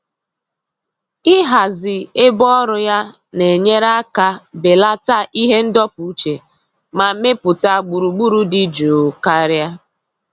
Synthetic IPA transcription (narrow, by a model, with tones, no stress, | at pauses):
ɪ˦ɦa˨zɪ˨e˦bɔ˦ɾʊ˦ja˦ | ne˨ɲe˦ɾa˦ka˦be˨la˦ta˦ʔi˦ɦe˦n̩˦dɔ˦pu˨u˦t͡ʃe˨ | ma˨˦me˦pʊ˨ta˦˨ɡ͡bu˨ɾu˨ɡ͡bu˦ɾu˦dɪ˦d͡ʒo˨ka˦ɾja˦